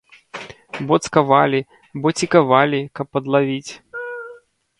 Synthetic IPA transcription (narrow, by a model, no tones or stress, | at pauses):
bɔt̪skɐvalʲi | bɔt͡sʲikɐvalʲikɐpːɐd̪lˠavʲit͡sʲ